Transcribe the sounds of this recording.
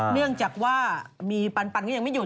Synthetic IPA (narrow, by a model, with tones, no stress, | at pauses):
nɯ˥˩əŋt͡ɕaː˨˩k̚waː˥˩miː˧pa˧npa˧nkɔ˥˩ja˧ŋma˥˩juː˨˩